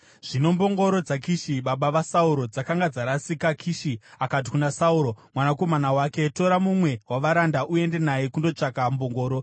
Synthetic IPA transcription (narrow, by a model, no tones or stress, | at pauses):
ʐ̥ino̞mbo̞ŋɡo̞ɾo̞d͡zakiʃiɓaɓaʋasauɾo̞d͡zakaŋɡad͡zaɾasikakʰiʃiakat̬i̥kunasauɾo̞mwanako̞manawake̞to̞ɾamumwe̞waʋaɾandaʔue̞nde̞najekundo̞t͡ʂakambo̞ŋɡo̞ːɾo̞